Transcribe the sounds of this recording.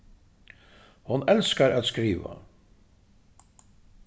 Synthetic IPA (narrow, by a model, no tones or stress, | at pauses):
hʊnɛlskaɾaːt̪skɾiːʋa̰